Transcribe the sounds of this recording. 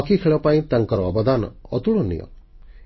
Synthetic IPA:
kikʰeɭɔpaĩt̪aŋkɔɾɔːbɔd̪anɔ̰ɔt̪uɭɔnḭjɔ̰̃

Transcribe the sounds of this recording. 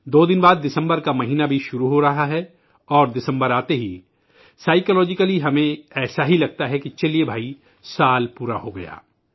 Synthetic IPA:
d̪oːd̪ɪnbaːd̪ːɪsə̃mbəɾkamɐɦiːnabʱiʃʊɾuɦoɾɐɦaɦɛ | ɔːɾd̪ɪsə̃mbəɾaːt̪eɦi | saːɪkəlɔːd͡ʒɪkəliɦɐmẽɛːsaɦilɐɡ̚t̪aɦɛkit͡ʃɐliebʱaːi | saːlpuːɾaɦoɡɐ̰ja̰ː

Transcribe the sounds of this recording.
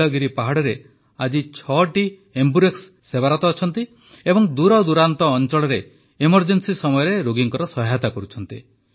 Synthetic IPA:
ɔɡiɾipaɦaɽɔɾe | ad͡ʒit͡ʃʰɔʈi | embuɾeksːebaɾɔt̪ɔːt͡ʃʰɔnt̪i | ebɔŋd̪uɾawd̪uɾant̪ɔːnt͡ʃɔɭɔɾe | emɔɾd͡ʒensisɔmɔjɔɾeɾoɡiŋkɔɾɔsɔɦat̪akɔɾut͡ʃʰɔnt̪i

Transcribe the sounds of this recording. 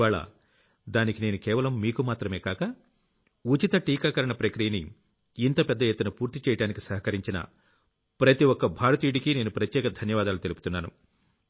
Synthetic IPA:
aːɭɐ̰ | d̪aːnikineːnukɛːʋɐlɐmːiːkumaːt̪ɾɐme̞ːkaːkɐ | ut͡ʃit̪ɐʈiːkaːkɐɾɐɳɐpɾɐkɾijɐniː | nt̪ɐpɛd̪ːɐjet̪ːunɐpuːɾt̪it͡ʃɛːjɐʈaːnikisɐɦɐkɐɾiɲt͡ʃinɐ̰ | pɾɐt̪iwɔkːɐbʱaːɾɐt̪iːʈikine̞ːnupɾɐt̪jɛːkɐd̪ʱɐnjɐʋaːd̪aːlut̪e̞lupu̥t̪unːaːnṵ

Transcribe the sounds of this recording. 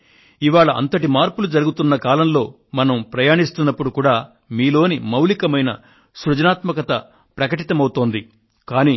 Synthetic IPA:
iʋaːɭɐʔɐ̰nt̪ɐʈimaːɾpulud͡ʒɐɾuɡut̪unːɐkaːlɐmlo̞ː | mɐnɐmpɾɐjaːɳist̪unːɐpːuɽukuːɽaː | miːlo̞ːnimɐwlikɐmɐjnɐ̰ | sɾud͡ʒɐnaːt̪mɐkɐt̪ɐ | pɾɐkɐʈit̪ɐmɐwut̪oːnd̪i | kaːniː

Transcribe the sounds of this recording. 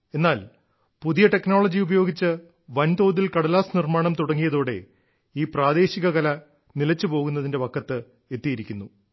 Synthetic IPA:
e̞nːaːl | puðijɐʈe̞kno̞ːɭɐd͡ʑiubɐjo̞ːɡit͡ɕːɨ | ʋɐnt̪oːd̪ːilkɐɽɐlaːsnirmaːɳɐmt̪uɽɐŋːijɐðoːɽe̞ | iːpraːd̪e̞ːɕiɣɐɣɐlɐ | nilɐt͡ɕːɨpo̞ːɣunːɐðinde̞ʋɐkʰːɐt̪ːɨ | e̞t̪ːijiɾikʲːunːu

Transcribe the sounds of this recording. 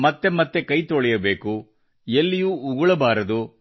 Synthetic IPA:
mɐt̪ːe̞mɐt̪ːe̞kɐjt̪oɭɛjɐbe̞ːku | jelːijuːɡuɭɐbaːɾɐd̪u

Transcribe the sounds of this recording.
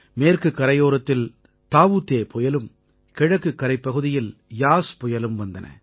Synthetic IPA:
meːrkɯkːɐɾɐjoːɾɐt̪ːɪl | t̪aːʋut̪ːeːpɔjɐlɯm | kɛɻɐkːɯkːɐɾɐɪpːɐɣɯðɪjɪljaːspɔjɐlɯmʋɐnd̪ɐnʔɐ̰

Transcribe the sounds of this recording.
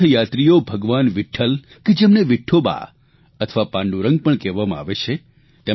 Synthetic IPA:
əjat̪ɾijobʱəɡʋanʋɪʈʰːəl | ked͡ʒemneʋɪʈʰoba̰ | ət̪ʰəʋapãɳɖũɾə̃ŋɡ̚pəɳkɛʋamãa̰ʋet͡ʃʰe | t̪e

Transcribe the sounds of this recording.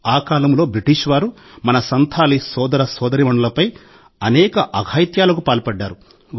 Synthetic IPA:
aːkaːlɐmlo̞ːbɾiʈiːʂʋaːɾu | mɐnɐsɐnt̪ʰaːlisɔːd̪ɐɾɐsɔːd̪ɐɾimɐɳɖɐlɐpɐj | ɐnɛːkɐʔɐɡʱaːjt̪jaːlɐkupaːlpɐɖːaːɾu

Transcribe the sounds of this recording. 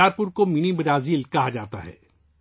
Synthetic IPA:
aːɾpʊɾkomɪnibɐɾaːziːlkɐɦad͡ʒaːt̪a̰ɦɛ̰ː

